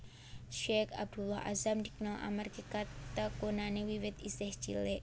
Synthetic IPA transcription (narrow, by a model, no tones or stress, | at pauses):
ʃɛkab̚d̪ulahʔa̰zamd̪iknalʔa̰markekat̪akonanewiwɪt̪isɪht͡ʃḭleʔ